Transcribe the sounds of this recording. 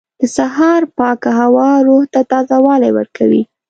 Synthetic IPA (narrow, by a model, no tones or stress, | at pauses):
d̪̥əsaɦɑɾpɑkaɦawɑɾoht̪at̪ɑzawɑlajwə̰ɾkʰawḭ